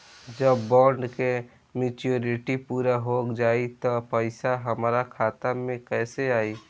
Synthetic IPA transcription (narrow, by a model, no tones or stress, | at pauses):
d͡ʒəbːɔːɳɖke | mɪːt͡ʃioːɾɪʈipuːɾaɦoːkd͡ʒaːit̪ɔpəɪsaɦəmaɾakʰaːt̪amẽkɛːseaːi